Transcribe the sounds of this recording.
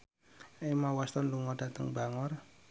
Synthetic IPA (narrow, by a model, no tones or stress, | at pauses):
emawast̪ɔnluŋɔd̥a̤t̪əŋbaŋɔr